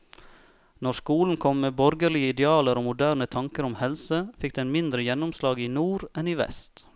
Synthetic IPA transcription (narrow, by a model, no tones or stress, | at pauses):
nɔɾskuːln̩kʰɔmːeːbɔɾɡəɭɪəɪd̪ɛɑːləɾoːmʊd̪æːɾnət̪ʰɑŋkəɾʊmhɛlsəfɪk̚d̪ɛnmɪnd̪ɾəjɛnʊmslɑːɡiːnuːɾɛniːʋɛ̰st̪